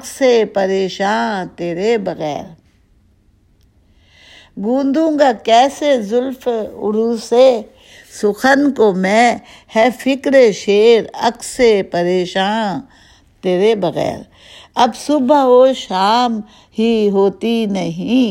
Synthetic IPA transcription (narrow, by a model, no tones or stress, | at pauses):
ksepɐɾeːʃaːnt̪eːɾebɐɣɛ̰ːɾ | ɡũːnd̪ũːŋɡakɛːsezʊlfʊ̰ɾuːse | sʊxʰənkomɛ̃ | hɛfʰɪkɾeʃeːɾɐksepɐɾeːʃaːn | t̪eːɾebɐɣɛ̰ːɾ | ɐbsʊboʃaːm | ɦiɦoːt̪inɐɦĩː